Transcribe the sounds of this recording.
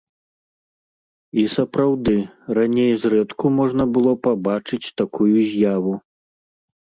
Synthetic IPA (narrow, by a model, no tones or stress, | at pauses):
isɐpɾawd̪ɨranʲejzɾɛt̪kumɔʐnɐbɨlˠɔpabat͡ʂɨt͡sʲt̪akʰujuzʲjavu